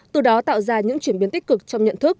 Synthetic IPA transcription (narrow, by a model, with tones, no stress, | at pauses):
t̪ɨ˨˩ɗɔ˨˦t̪a̰ː˧˨wzaː˧ɲɨ̰˧˥ŋt͡ɕwi˧˩ənɓi˨˦ənt̪i˦˥k̚kɨ˨˩k̚t͡ɕɔ˧wŋ͡mɲə̰˧˨nt̪ʰɨ˦˥k̚